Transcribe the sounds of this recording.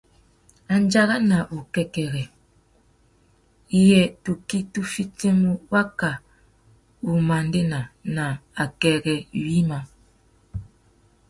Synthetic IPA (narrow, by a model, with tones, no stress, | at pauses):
a˨n˦d͡ʒa˦ɣa˦na˨ʔu˨kɛ˦kɛ˨ɣɛ˨ | i˦jɛ˨tu˨ki˦tu˦fi˦te˦mu˦wa˦ka˨ | u˨ma˨nde˦na˨na˨a˨kɛ˨ɣɛ˨wi˦ma˨